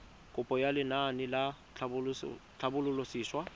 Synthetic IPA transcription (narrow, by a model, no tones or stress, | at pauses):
kʼʊpʼɔjalɪnanɪla | t͡ɬʰbʊt͡ɬʰabʊlʊlosiːswa